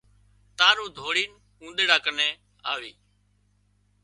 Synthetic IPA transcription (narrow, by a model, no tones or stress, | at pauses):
t̪aːɾũːd̪ʱoːɽiːn | kũːnd̪eːɽaːkənẽː | a̰ːʋiː